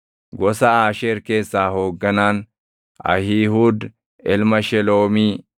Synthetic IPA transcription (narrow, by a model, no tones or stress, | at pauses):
ɡɔsɐaːʃeːɾke̞ːsːaːhoːɡːɐnaːn | ʔɐ̰hihuːd̪ | ɛlmɐʃɛlo̞ːmiː